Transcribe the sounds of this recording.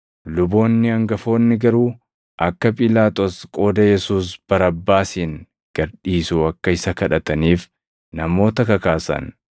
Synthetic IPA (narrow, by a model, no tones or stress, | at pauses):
lʊbo̞ːnːɪɐŋɡɐfo̞ːnːɪɡɐɾuː | ʔɐkːɐpʼɪlaːt̪ʼoːskʼo̞ːd̪ɐjɛsuːsb̥ɐɾɐbːaːsiːŋ | ɡ̥ɐɾᶑiːsuːɐkːɐɪsɐkɐᶑɐt̪ɐniːf | nɐmo̞ːt̪ɐkɐkaːsɐ̰n